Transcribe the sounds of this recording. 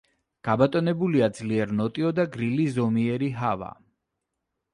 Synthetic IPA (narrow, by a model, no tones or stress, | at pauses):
ɡ̥abat̪ʼɔnɛbuliad̪zliɛɾnɔt̪ʼiɔd̪aɡɾilizɔmiɛɾiɦava̰